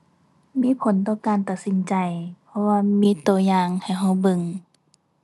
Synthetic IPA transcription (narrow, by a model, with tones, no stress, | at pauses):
miː˧˥˨pʰo˨˦nt̪ɔː˧˩kaː˨˧nt̪a˨˩t̪̚si˧˦nt͡ɕa˨˩jpʰɔ˧waː˧miː˧˥t̪u˧˨˩əjaː˧ŋha˨˩jɦa˧˩wbɯ˧˨ŋ